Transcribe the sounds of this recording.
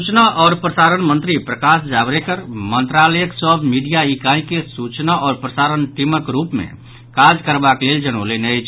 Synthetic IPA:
ut͡ʃnaʔɔːɾpɾəsaɾənmənt̪ɾipɾəkasd͡ʒabɾekəɾmənt̪ɾaləjəksəbʱmiɖijaikaĩkesut͡ʃnaʔɔːɾpɾəsaɾənʈiməkɾupmḛ̃ | kad͡ʒkəɾbakleld͡ʒənolenət͡ʃʰ

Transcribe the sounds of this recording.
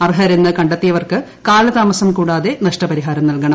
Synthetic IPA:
ɐrɦɐɾenːɨkɐɳɖɐt̪ːijɐʋɐrkɨ | kaːlɐd̪aːmɐsɐmkuːɽaːðe̞nɐʂʈɐpɐɾiɦaːɾɐmnɐlkɐɳɐmm

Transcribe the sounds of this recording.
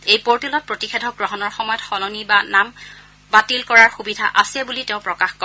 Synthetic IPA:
ejpoɹtilɔt̚pɹotixedʱɔɡɹɔɦɔnɔɹxɔmɔjɔtxɔlɔnibanam | batilkɔɹaɹxubidʱaʔasiɛbulitẽʊ̃pɹɔkaxkɔ

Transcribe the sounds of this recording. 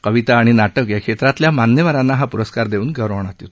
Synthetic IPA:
kəʋit̪aːɽ̃inaʈəkjakʂʰet̪ɾat̪ljamanjəʋaɾanːaɦapuɾəskaɾd̪euːnɡʱəɾəʋɳ̃at̪it̪

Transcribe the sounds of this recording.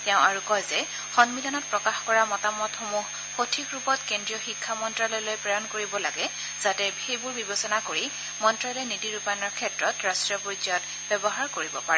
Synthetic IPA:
tɛʊ̃ʔaɹukɔjzɛ | xɔnmilɔnɔt̚pɹɔkaxkɔɹamɔtamɔtxomuh | xotʰikɹupɔtkendɹijɔxikʰːamɔntɹalɔjlojpɹɔjɔnkoɹibɔlaɡɛ | z̥atɛbʱejbuɹbibɔsɔnakoɹi | mɔntɹalɔjnidiɹupanɔɹkʰɛtɹɔtɹastɹijɔpod͡ʒɔt | bɛbɔɦaɹkoɹibɔpaɹɛ

